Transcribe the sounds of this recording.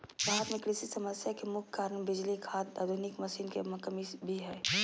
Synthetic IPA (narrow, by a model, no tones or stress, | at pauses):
baːɦət̪mẽkɽɪsisɐməsjakemʊkʰkːaːɾəɳ̃bɪd͡ʒlikʰaːt̪ad̪ʱʊnɪkmɐsiːnkemɐkəmibʱiɦɛː